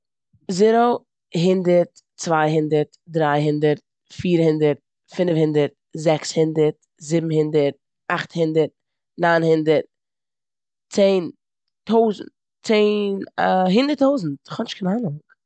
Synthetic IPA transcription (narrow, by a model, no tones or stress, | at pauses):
zɪɾo | ɦɪndəɾt | t͡svaɪɦɪndəɾtdɾaɪɦɪndəɾt̚ | fiːɾhɪndəɾt̚ | fɪnfhɪndəɾt̚ | zɛkshɪndəɾt | zɪbm̩hɪndəɾt̚ | aχthɪndəɾt̚ | naɪnhɪndəɾt̚ | t͡seɪn | toʊzn̩t | t͡seːnɦɪndəɾtoʊzn̩t̚χɔnɪʃtkʰɪnanʊŋ